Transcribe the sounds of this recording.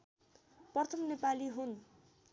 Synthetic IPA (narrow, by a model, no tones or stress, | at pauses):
pʌrt̪ʰʌmnepaliɦun